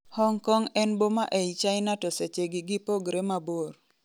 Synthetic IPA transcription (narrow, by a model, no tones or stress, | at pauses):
hɔŋkɔŋɛnbomaʔɛit͡ʃaɪnatɔset͡ʃeɡɪɡɪpoɡɾemabor